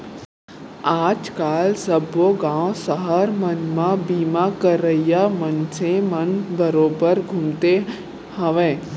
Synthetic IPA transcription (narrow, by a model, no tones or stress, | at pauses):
aːd͡ʒkaːlsəboɡãːõsəɦəɾmənmãbiːmakəɾəijamənsẽmənbəɾoːbəɾɡʱumt̪e | ɦəʋẽː